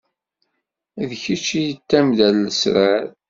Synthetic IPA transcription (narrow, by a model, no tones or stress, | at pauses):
ðçit͡ʃːijət̪ːæmðælːəsɾaɾ